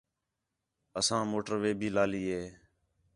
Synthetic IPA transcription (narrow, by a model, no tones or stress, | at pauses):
əsãːmoːʈəɾʋeːbʱiːlaːliːɦeː